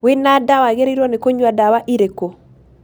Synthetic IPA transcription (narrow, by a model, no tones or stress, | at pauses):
wenadawaɣɛɾiɾɔnɛkɔɲuadawaʔiɾɛko